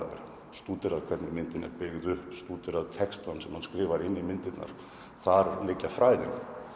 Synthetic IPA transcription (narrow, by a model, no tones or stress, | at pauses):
ɛ̰ɾ | st̪uːt̪ɪɾaðkʰvɛɾt̪nɪmɪnt̪ɪnɛ̰ɾpɪɣðʏhpst̪uːt̪ɪɾaðt̪ʰɛkst̪ansɛmhanskɾɪːvaɾɪnːimɪnt̪ɪt̪na̰ɾ̥ | θaɾlɪcːafɾaːjðɪn